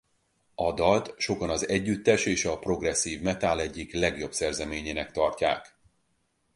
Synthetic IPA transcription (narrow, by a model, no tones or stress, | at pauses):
ɒd̪ɒlt̪ʃo̞kɒnɒzɛɟːyt̪ːɛʃeːʃɒpro̞ɡrɛsːiːvmɛt̪aːlɛɟːiklɛɡjo̞bsɛrzɛmeːɲeːnɛkt̪ɒrcaːk